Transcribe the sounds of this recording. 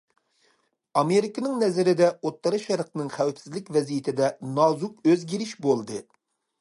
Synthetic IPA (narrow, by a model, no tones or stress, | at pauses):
ɑmeɾikɨnɨŋnɛzɪɾɪd̪ɛot̪ʰːɑɾɨʃɛɾqnɨŋχæwɪpsɪzlɪkʲvɛzijɪt̪ʰɪd̪ɛnɑzukøzɡʲiɾɪʃbolˠd̪ɨ